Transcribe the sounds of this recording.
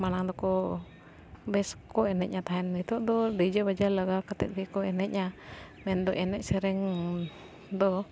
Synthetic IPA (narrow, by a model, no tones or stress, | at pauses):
manaŋd̪ɔkɔ | bɛskɔɛnɛʔ̪̚ɲat̪aɦɛndit̪ɔʔd̪ɔd̪id͡ʒabad͡ʒalaɡakat̪ɛt̪̚bikɔɛnɛʔ̪̚ɲamɛnd̪ɔʔɛnɛʔsɛɾɛŋ | d̪ɔ